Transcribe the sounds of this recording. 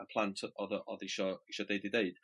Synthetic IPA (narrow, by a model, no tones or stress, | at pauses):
əpʰl̥ˠãntʰɔðəʔɔðiʃɔiʃɔdejdɪdejd̥